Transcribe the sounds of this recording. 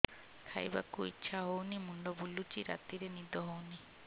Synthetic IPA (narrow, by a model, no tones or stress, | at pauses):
kʰa̰jba̰kuḭtːʃʰaɦownimuɳɖɔbulut͡ʃiɾa̰t̪iɾenid̪ɔɦowni